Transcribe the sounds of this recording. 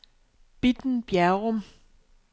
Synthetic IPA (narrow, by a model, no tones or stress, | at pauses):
b̥id̥n̩b̥jæɐʁɔm